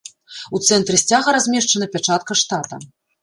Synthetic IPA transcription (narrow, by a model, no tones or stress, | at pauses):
ut̪sɛnt̪ɾɨsʲt͡sʲaɣɐɾazʲmʲɛʂt͡ʂɐnɐpʲat͡ʂat̪̚kɐʂt̪at̪ɐ̰